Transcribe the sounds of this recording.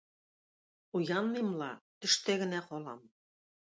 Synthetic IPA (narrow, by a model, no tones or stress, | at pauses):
ujɑnmemlɑ̰t̪ɘ̆ʃt̪ĕɣɘ̆næχolɑ̰m